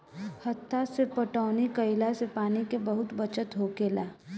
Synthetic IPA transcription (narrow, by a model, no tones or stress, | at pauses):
hət̪ʰːasepəʈaːnikəɪlasepaːnikebəɦʊt̪bət͡ʃət̪ɦokeːlaː